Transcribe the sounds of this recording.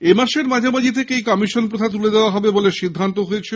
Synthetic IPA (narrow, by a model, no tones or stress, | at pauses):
emaʃeɾmad͡ʑʱamad͡ʑit̪ʰekeejkɔmiʃonpɾot̪ʰat̪̬uled̪eoaɦɔbeboleʃid̪ʱːant̪oɦoet͡ɕʰe